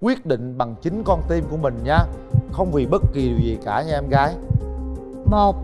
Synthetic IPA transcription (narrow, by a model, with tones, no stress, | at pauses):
kwi˦˥ət̚ɗḭ̈˧˨ŋ̟ɓa˨˩ŋt͡ɕï˨˦ŋ̟kɔ˧nt̪i˧mku˧˩əmï˨˩ŋ̟ɲaː˧ | xə˧wŋ͡mvḭ˨˩ɓə˦˥t̚ki˨˩ɗɨ˨˩əwzi˨˩kaː˧˩ɲa˧ʔɛ˧mɣaː˨˦j | mo˨˩t̚